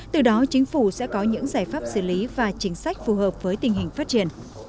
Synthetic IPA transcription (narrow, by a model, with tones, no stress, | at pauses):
t̪ɨ˨˩ɗɔ˨˦t͡ɕï˨˦ŋ̟fu˧˩sɛ̰˧˥kɔ˨˦ɲɨ̰˧˥ŋzaː˧˩jfaː˦˥p̚sɨ̰˧˩li˨˦vaː˨˩t͡ɕï˨˦ŋ̟sa˦˥jk̟̚fu˨˩ɦəː˨˩p̚vəː˨˦jt̪ï˨˩ŋ̟ɦï˨˩ŋ̟faː˦˥t̚t͡ɕi˧˩ən